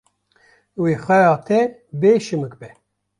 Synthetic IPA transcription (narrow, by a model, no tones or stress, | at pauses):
wiːxʷɛjɑːt̪ʰɛbeːʃɨmɨk̚bɛ